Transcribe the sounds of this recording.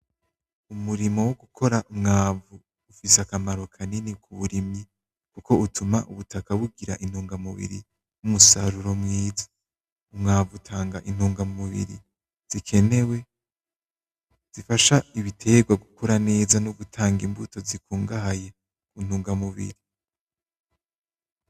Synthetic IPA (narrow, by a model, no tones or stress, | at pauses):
umuɾimo̞woɡukʰo̞ɾaʔumŋaːvuː | fiseakamaɾo̞kʰaninikʰuβuɾimɲi | kuko̞utʰumaʔṵβutakaβuɡiɾaʔin̥huːŋɡamuβḭɾi | numusaɾuɾo̞mŋiːzḁ | umŋaːvutʰaːŋɡaʔin̥huːŋɡamuβḭɾḭ | z̥ikʰe̞ne̞we̞ | z̥ifaʃaiβitʰe̞ɡwaɡukuɾane̞ːzanuβutʰaːŋɡimbuto̞zikuːŋɡaɦaje̞ | kun̥huːŋɡamuβḭɾi